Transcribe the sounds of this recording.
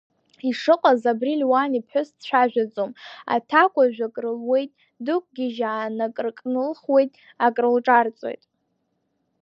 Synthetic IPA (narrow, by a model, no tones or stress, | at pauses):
iʂɨqʼazabrilʲwanipʰħʊsʃʷʰᶣaʒᶣad͡zʼoma̰tʰakʷʼaʒᶣakʼrɨlwe̞jtʼ | dɨkʷʼɡʲɪʒaːnakʼrkʼnɨlχwe̞jtʼ | akʼrɨlʈ͡ʂʼart͡sʼo̞̰jtʼ